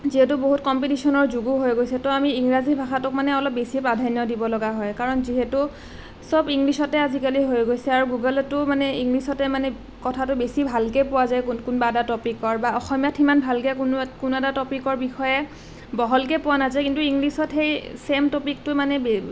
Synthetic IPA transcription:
ziɦɛtʊboɦut̚kɔmpitisɔnɔɹzuɡuɦojɡojsɛtɔamiːŋɹazibʱaxatʊk̚manɛɔlɔp̚besipɹadʱajnjɔdibɔlɔɡaɦɔjkaɹɔnziɦɛtʊ | sɔbiŋlisɔtɛazikaliɦojɡojsɛaɹuɡuɡɔlɔtʊmanɛiŋɡlisɔtɛmanɛ | kɔtʰatʊbesibʱalkepʊwazajknkʊnbaɛdatɔpikɔɹbaɔxɔmijatʰimanbʱalkɛkunkʊnɛtatɔpikɔɹbixɔjɛ | bɔɦɔlkepʊwanazajkintuiŋɡlisɔtxejsemtɔpik̚tʊmanɛbe

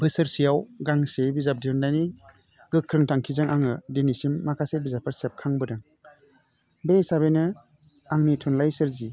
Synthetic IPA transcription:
bɯsɯɾsijawɡaŋsebizap̚diɾundajni | ɡɯkʰːɾɯŋtaŋkʰizaŋaŋɯdenisimːakʰasebizapʰɯɾsep̚kʰaŋbɯdaŋ | bejsabenɯ | aŋnitʰunlajsɯɾzi

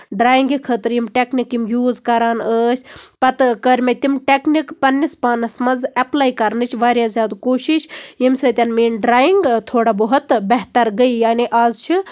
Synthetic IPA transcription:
ɖɾaːjiŋɡikʰəːt̪ɾjimʈeknikːimjuːzkɐɾaːnəːsʲpɐt̪kəɾʲmet̪imʈeknikpɐnːispaːnɐsmɐzɐplaːjkɐɾnɨt͡ʃʰʋaːɾʲjazʲjaːd̪ukoːʃiʃjimsɐt̪ʲɐnmeːnɖɾaːjiŋɡt̪ʰoːɽabəɦut̪bɐɦt̪ɐɾɡəjjaːniʔaːzt͡ʃʰi

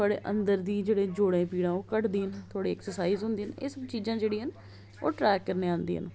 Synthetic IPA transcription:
t̪ʰoaːɽḛːʔə̰nd̪əɾd̪iːd͡ʒeːɽẽːd͡ʒoːɽẽːpiːɽãːoːkəʈd̪iːɦənt̪ʰʊaːɽiːɛksəɾsaːiːzɦʊ̃nd̪iːənḛːsəbt͡ʃiːzãːd͡ʒeːɽiːɦən | o̰ːʈɾɛːkːəɾneːãːnd̪ḭːɦə̰n

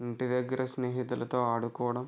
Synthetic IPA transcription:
iɳʈid̪ɐɡːɐɾʔɐsneːɦit̪ulɐt̪o̞ːaːɽukɔːɐɽɐm

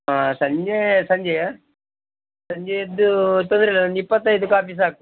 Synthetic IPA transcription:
asɐɲd͡ʒesɐɲd͡ʒeja | sɐɲd͡ʒejed̪ːut̪ond̪ɐɾilɐnipːɐt̪ːaed̪ukaːpis̬aːku

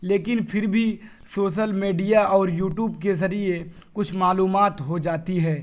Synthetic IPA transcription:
leːkɪnfʰɪɾbʱi | soːʃ̬əlmiːɖijaɔːɾjuːʈjuːbk̬ezɐɾie | kʊt͡ʃʰmaːluːmaːt̪ɦod͡ʒaːt̪iɦɛː

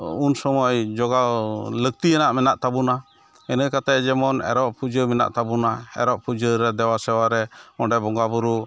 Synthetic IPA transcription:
unsɔmɔjd͡ʒɔɡalək̚t̪iɛnaʔmɛnaʔt̪abuna | ɛnəkat̪ad͡ʒɛmɔnɛ̰ɾɔʔpud͡ʒəmɛna̰ʔt̪abunaɛ̰ɾɔʔpud͡ʒəɾɛd̪ɛwasɛwaɾɛɔɖɛbɔŋɡabuɾu

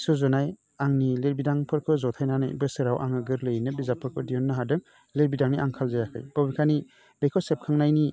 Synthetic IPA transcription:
sɔzɔnaj | aŋnileɾbidaŋpʰɯɾkʰɯzɔtʰajnanɯ̰jbɯsɯɾawʔa̰ŋɯɡɯɾlɯjnɯbizapʰɯɾkʰɯdiɔnːɯɦadɯŋ | leɾbidaŋniʔaŋkʰalzajakʰɯ̰jb̥ɔbikʰani | bejkʰɔsep̚kʰaŋnajni

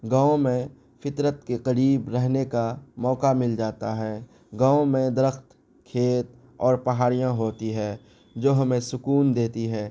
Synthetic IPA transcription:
ɡaːõmẽ | fɪt̪ɾət̪keqɐɾiːbɾɛɦnekamɔːkamɪld͡ʒaːt̪aɦɛː | ɡaːõmẽd̪ɪɾəxt̪ | kʰeːt̪̚ | ɔːɾpɐɦaːɾijãɦoːt̪iɦɛː | d͡ʒoːɦɐmẽsʊkuːnd̪eːt̪iɦɛː

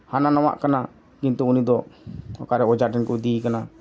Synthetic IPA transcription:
hananaw̃a̰ʔkana | kint̪uunid̪ɔɔ̰kaɾɛɔd͡ʒaʈɛnkɔd̪ikana

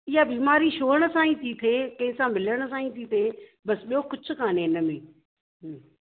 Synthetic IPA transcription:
ɪjabiːmaːɾiʃoːəɽ̃ə̆sãːĩt̪ʰiːt̪ʰeːkɐ̃ɦɪ̃sãmɪləɽ̃ə̆s̬ãːĩt̪ʰit̪ʰeːbɐsɓijokʊd͡ʑʰʱʊ̆kaːnẽɪnəmẽː | ɦ

